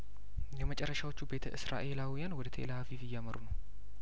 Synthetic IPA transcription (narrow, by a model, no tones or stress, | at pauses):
jɛmət͡ʃʼɛrːəʃawot͡ʃːube̞t̪ʰəʔɨsɾa̰ʔe̞lawijanwɔd̪ət̪ʰḛləhafifijaməɾunəw